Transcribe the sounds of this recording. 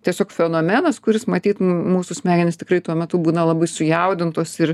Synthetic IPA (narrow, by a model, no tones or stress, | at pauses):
t̪ʲiɛsʲoːkfʲɛnoːmʲɛnɐskʊɾʲɪsmɐt̪ʲiːt̪muːsʊsʲmʲæːɡʲɪnʲɪst̪ʲɪ̥kɾɐɪt̪uɔmʲɛt̪ʊbuːnɐlˠɐbɐɪsʊjɛʊd̪ʲɪnt̪oːsɪr